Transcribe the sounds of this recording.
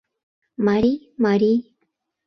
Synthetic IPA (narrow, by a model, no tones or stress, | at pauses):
maɾi | maɾi